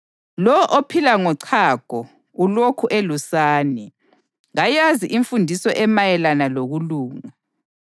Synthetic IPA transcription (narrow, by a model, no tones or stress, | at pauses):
lɔʔopʰilaŋɔǀʰaɡ̥ʱɔ | ulokʰuʔelusaːni | ɣajaziʔiɱfundʱisɔʔɛmajɛlanaloɣuluːŋa